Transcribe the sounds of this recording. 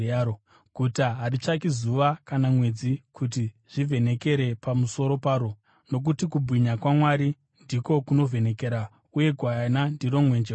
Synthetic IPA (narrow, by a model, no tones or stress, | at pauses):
ao | ɡ̥ʱutaɦaɾit͡ʃakizuʋakanamwe̞d͡zikʰut̬i | ʐ̥ive̞ne̞ke̞ɾe̞pamuso̞ɾo̞paːɾo | no̞k̬utikubʱwiɲakwamwaɾi | ndiko̞kuno̞ve̞ne̞keɾa | uje̞ɡʱwanandiro̞mwe̞nd͡ʒe